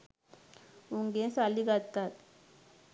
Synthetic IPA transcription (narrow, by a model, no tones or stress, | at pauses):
uŋɡẽsaliɡat̪ːat̪